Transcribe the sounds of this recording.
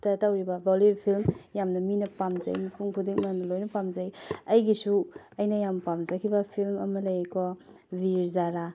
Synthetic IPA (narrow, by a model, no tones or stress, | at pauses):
tɐtawɾibɐbɔlibpʰilmjamnɐminɐpamzɐ̰jmɐpuŋkʰudiŋmanɐlojnɐpamzɐjɐjɡisu | ɐjnɐjampamzakʰibɐpʰilmɐmɐlɐjekʰɔ | biɾzaɾa